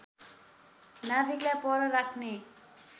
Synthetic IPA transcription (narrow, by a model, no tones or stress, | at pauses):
nabʱiklajpʌɾʌɾakʰne